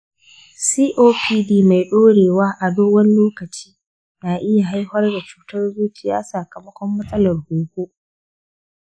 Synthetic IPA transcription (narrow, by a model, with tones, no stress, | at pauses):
siː˦ʔoː˦pʰiː˦diː˦ma˨jɗoː˦ɽeː˨waː˦ʔa˨doː˦wɐ˦n˦loː˦kɐ˨t͡ʃi̥ː˦ | naː˨ʔɪ˦ja˨ɦa˦jhɐ˦rda˨t͡ʃu̥ː˨tɐ˦rzuː˦tɪ˨ja̰ː˦saː˨kɐ˨mɐ˦kʷɔ˦mːɐ˦sʼɐ˦lɐ˨rhuː˨kʷo˦